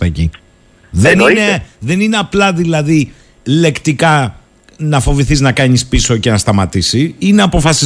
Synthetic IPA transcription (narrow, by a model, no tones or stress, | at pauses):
ɐci | ðenineðe̞nine̞ɐplɐðilɐði | le̞kt̪ikɐ | nɐfo̞viθiznɐkɐɲispiso̞ce̞nɐst̪ɐmɐt̪isiineɐpo̞fɐsi